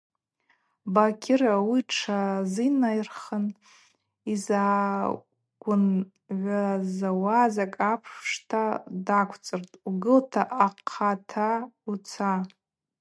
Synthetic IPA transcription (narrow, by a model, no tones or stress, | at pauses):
bakʲʰɪrawiʈ͡ʂʰazinajrχən | iza | ɡ̥ʷʊn | ʕʷazawazakʼapʰʂʂtʰadakʷʰt͡sʼɨrtʼuɡɨltʰaʔaqʰatʰaut͡sʰa